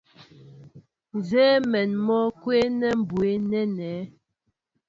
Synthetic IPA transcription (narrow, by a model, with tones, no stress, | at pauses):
zɛː˦mɛ˨nmɔ˦kwe˦nɛ˦m̩˨bwe˦nɛ˦nɛ˨˦